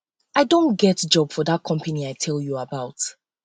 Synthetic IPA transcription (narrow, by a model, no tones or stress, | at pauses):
aɪdõntɡɛtd͡ʒɔb̥fɔðat̚kʰɔ̃mpəniaɪtʰɛlˠjuəbaʊt